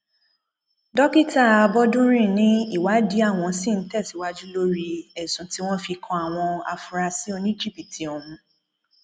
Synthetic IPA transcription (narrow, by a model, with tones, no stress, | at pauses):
dɔ˦ki˦˨ta˦˨a˧bɔ˦dũ˦ɾ̃ĩ˦˨nĩ˦i˦˨wa˨˦di˨˦a˦˨w̃ɔ̃˧˦si˦˨n̩˦tɛ˦˨si˨˦wa˦d͡ʒu˦lo˦ɾi˦ɛ˨sũ˨˦ti˦w̃ɔ̃˦fi˧kʰã˧a˦˨w̃ɔ̃˧a̰˨fu˨ɾa˧si˨˦o˧nĩ˦d͡ʒi˦˨pi˨ti˨˦ɔ˨mũ˧